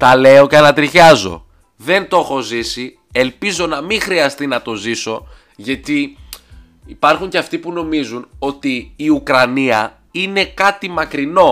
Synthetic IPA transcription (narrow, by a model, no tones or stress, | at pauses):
t̪ɐle̞o̞ceɐnɐt̪ɾiçɐzo̞̰ | ðe̞nt̪o̞xo̞zisi | e̞lpizo̞nɐmiŋxɾiɐst̪inɐt̪o̞ziso̞ | ʝɐt̪i | ipɐɾxuɲceɐft̪ipuno̞mizuno̞t̪iːukɾɐniɐ | ine̞kɐt̪imɐkɾino̞